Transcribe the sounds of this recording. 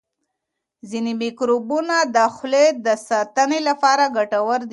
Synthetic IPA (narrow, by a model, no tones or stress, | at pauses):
zinemikɾobunad̪əxled̪əsɑt̪ənelapɑɾaɡaʈawəɾd̪i